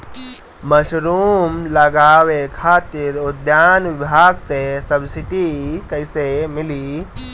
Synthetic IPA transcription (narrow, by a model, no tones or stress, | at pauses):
məɕɾuːmləɡaʋekʰat̪iːɾud̪janʋibʱaɡt͡sesəbsiʈikəjsemiliː